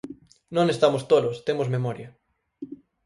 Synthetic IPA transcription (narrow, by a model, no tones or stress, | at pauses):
nõŋest̪amost̪olost̪emozmemɔɾjɐ